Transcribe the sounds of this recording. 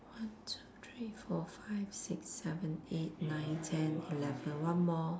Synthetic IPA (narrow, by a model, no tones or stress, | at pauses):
wãntʰutʰɹifɔfaɪv̥sɪksːɛvə̃net̚nãɪ̃ntʰɛ̃nilɛvə̃nwãnmɔ